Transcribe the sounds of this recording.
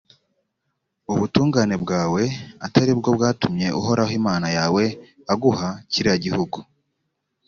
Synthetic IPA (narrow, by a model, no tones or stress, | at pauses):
uβutuːŋɡaːne̞bɡaːwe̞ataɾib̚ɡo̞b̚ɡaːtumɲe̞ʔṵɦo̞ɾahimaːnajaːwe̞ | aɡuhaciɾiaɟihuɡu